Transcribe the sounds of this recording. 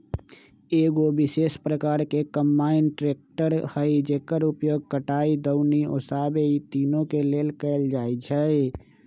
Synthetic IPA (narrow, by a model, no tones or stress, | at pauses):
eɡobisespɾəkaɾkekəmbainʈɾek̚ʈəɾhəɪd͡ʒekəɾupjoɡ̚kəʈaid̪əʊnio̰sabeit̪inokelelkəɪld͡ʒajt͡ʃʰəj